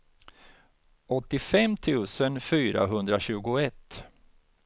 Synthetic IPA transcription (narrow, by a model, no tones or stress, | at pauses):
ɔt̪ːɪfɛmt̪ʰʉ̟ːsənfyːɾa̰ɦɵnd̪ɾaɕʉ̟ːɡʊɛt̪ː